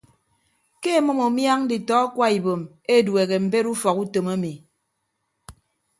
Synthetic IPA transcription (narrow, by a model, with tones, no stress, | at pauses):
ke˦˨mɔ˦mo˨mja˦ŋ˦di˨tɔ˨˦kwa˦i˨bo˨m | e˦˨dwe˨ɣe˨m̩˨be˦ɾu˦fɔ˨ku˦to˨ma˦mi˨